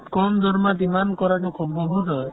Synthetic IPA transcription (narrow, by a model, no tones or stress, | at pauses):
kɔmd̪ʱɔɾmad̪imankɔɾad͡ʒɔkʰubɔbʱut̪ɔ